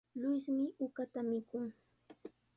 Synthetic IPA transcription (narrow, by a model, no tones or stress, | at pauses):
lʊjsmɪʊkat̪amɪkʊŋ